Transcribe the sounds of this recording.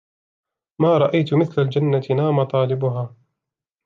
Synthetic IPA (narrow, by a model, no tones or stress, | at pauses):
maːɾˤɑʔajt̪mɪθlald͡ʒanːat̪ɪnaːmat̪ˤɑːlɪbʊɦaː